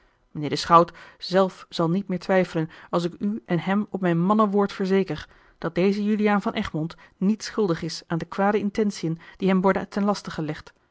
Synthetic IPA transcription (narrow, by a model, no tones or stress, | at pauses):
mənɪːɹdəsχɑwtz̥ɛlˠfz̥ɑlˠnit̚mɪːɹtʋɛjfələnɑlˠs̬ɪkyʔɛnɦɛmɔpmɛjnmɑnəʋʊːɹtfəɹzejkəɹ | d̥ɑt̚dejzəjylijaːnvɑnʔɛχmɔntnitsχɵlˠdəχɪsaːndəkʋaːdəɪntɛnsiənd̥iɦɛmʋɔɹdətɛnlɑstəχəlɛχt